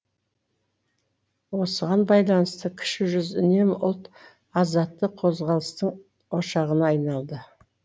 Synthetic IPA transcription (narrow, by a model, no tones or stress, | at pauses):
wo̞səʁɑnbɑjlˠɑnəst̪əkʲʰʏ̥ʃɪʒʏzʏne̞mʊlˠt̪ | ɑzɑt̪ːəqqʰo̞zʁɑlˠəst̪əɴ | o̞ʃɑʁənɑːjnɑlˠd̪ə